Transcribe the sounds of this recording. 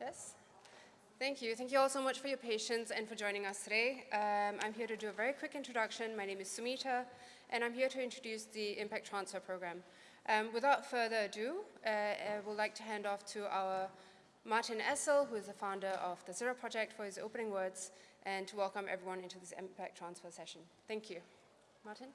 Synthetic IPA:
jɛs | θæ̃ŋkʰjʉθɛ̃ŋkjuɔlˠsoʊmat͡ʃfɔjəpʰeɪʃə̃nsɛ̃nfəd͡ʒɔ̃ɪ̃ñɪ̃ŋʌstʰɨɾeɪmã̰ɪ̃mɦiəɾudɨəvɛɹikʰw̥ɪkɪ̃ntɹ̥ədʌkʃə̃nmaɪñẽmɨz̥səmiɾə | ʔɨ̃ñãɪ̃mhiəɾuɪ̃ntɹ̥ədjusðiɪ̃mpæk̚tʰɹ̥ãnsfə˞pʰɹ̥oʊɡɹæ̃m | ʔʌ̃mwɪθaʊtfɜ˞ðədu | wɪllaɪk̚tʰuɦæ̃ndɔftʰuʔa̰ʊə | maɹtɪ̃nɛsəlˠɦuɪzðəfãʊ̃ndə˞ʔɔvðəsiɹəpʰɹ̥ɔd͡ʒɛk̚tfəhɪzo̰ʊpənɪ̃ŋwɜ˞dzʔɛ̃ntʰəwɛlˠkə̃mʔɛ̰vɹiwʌ̃nɪ̃ntuðɪsɪ̰̃mpæk̚tʰɹ̥ãnsfəsɛʃə̃n | θæ̃ŋkʰju | matɪ̃n

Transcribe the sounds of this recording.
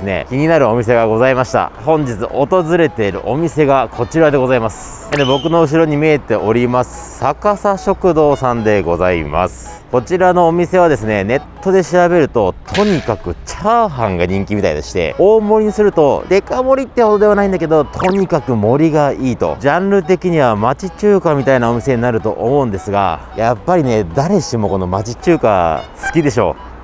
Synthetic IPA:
sɨne̞̰kʲiɲ̟inaɾɯ̟o̞mʲis̬e̞ɡaɡo̞zaimaɕi̥t̪a̰hõ̞ɲ̟d͡ʑit͡sɨ̰ʔo̞t̪o̞zɨɾe̞t̪e̞iɾɯ̟̰ʔo̞mʲise̞ɡakʰo̞t͡ɕiɾad̪e̞ɡo̞zaimasɨ̥ | d̪ebo̞kɯ̟no̞ɯ̟ɕ̬iɾo̞ɲ̟imeːt̪e̞ʔo̞ɾʲimasɨ̥sakasaɕokɯ̟d̪o̞ːsãnd̪e̞ɡo̞zaḭma̰sɨ̥ | ko̞t͡ɕiɾano̞ːmʲise̞β̞ad̪e̞sɨne̞ne̞t̪ːo̞d̪e̞ɕiɾabe̞ɾɯ̟t̪o̞t̪ʰo̞ɲ̟ikakɯ̟t͡ɕaːɦãŋɡaɲ̟ĩŋkʲimʲit̪a̰id̪eɕi̥t̪e̞̰oːmo̞ɾiɲ̟isɨɾɯ̟t̪o̞d̪e̞kamo̞ɾʲit̪ːehod̪o̞d̪eanaĩnd̪ake̞d̪o̞t̪ʰo̞ɲ̟ikakɯ̟mo̞ɾʲiɡaiːt̪o̞̰d͡ʑãnɾɯ̟t̪̬e̞kʲiɲ̟iβ̞amat͡ɕit͡ɕɨːkamʲit̪ainao̞mʲise̞ɲ̟inaɾɯ̟t̪o̞̰ʔo̰mo̞ɯ̟̃nd̪e̞sɨɡa̰ | japːaɾʲine̞d̪aɾe̞ɕimo̞ko̞no̞mat͡ɕit͡ɕɨːka̰sɨ̥kʲid̪e̞ɕo̞̰ː

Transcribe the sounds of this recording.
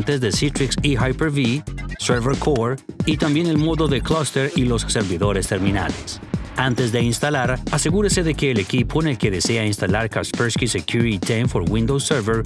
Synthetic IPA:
nt̪ezðesit̪ɾiksihajpeɾβisɛɾβeɾkʰoɾit̪ambje̞ne̞lmo̞ðo̞ðeklast̪eɾilo̞sseɾβiðo̞ɾe̞st̪e̞ɾmĩna̰lesant̪e̞zd̪einst̪alaɾase̞ɣuɾese̞ðe̞ke̞ːle̞kipʰo̞ene̞lke̞ðe̞se̞ainst̪alaɾkaspeɾskisekjuɾitit̪enfo̞ɾwĩnd̪owseɾveɾ

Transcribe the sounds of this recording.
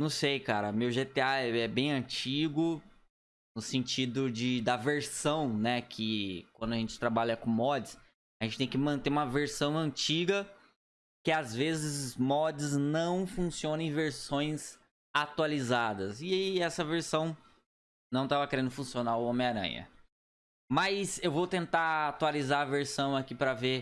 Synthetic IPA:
nɐ̃w̃sejkaɾɐmewʒet̪eaɛɛbẽj̃ɐ̃t͡ʃiɡʊ | nʊsẽnt͡ʃid̪ʊd͡ʒɪd̪ɐveɾsɐ̃w̃nɛkʰɪkwɐ̃nd̪ʊɐaʒẽnt͡ʃɪ̥t̪ɾabaʎɐkõmɔd͡ʒɪs | aʒẽnt͡ʃɪ̥t̪ẽj̃kɪmɐ̃nt̪eũmɐveɾsɐ̃w̃ɐ̃nt͡ʃiɡɐ | kɪazvezɪzmɔd͡ʒɪznɐ̃w̃fũsiõnɐẽveɾsõj̃z | at̪ualizad̪ɐsɪaiɛsɐveɾsɐ̃w̃ | nɐ̃w̃t̪avɐkeɾẽnd̪ʊfũsionaʊomɪaɾɐ̰̃jɐ̰ | mɐsewvowt̪ẽnt̪aat̪ualizaɐveɾsɐ̃w̃akipɾɐve

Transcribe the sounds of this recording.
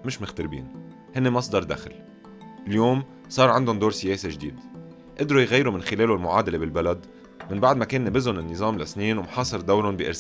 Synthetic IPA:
mɪʃmɪxt̪ɪɾbḭːn | hɪnːemɑsˤd̪ɑɾˤd̪a̰xl | ljoːm | sˤɑːɾˤʕand̪ʊnd̪oːɾsɪjeːseʒd̪ḭːd̪ | ʔɪd̪ɾujɣajːɾumɪnxɪleːlulmʊʕaːd̪alebɪlbalad̪ | mɪnbaʕd̪makeːnːɪbɪzʊnɪnːɨzˤɑːmlasniːnwmħɑːsˤɨɾˤd̪awɾʊnbiʔɪɾ

